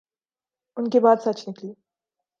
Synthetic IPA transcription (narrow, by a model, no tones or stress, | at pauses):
ʊnkebaːd̪sɐt͡ʃnɪkliː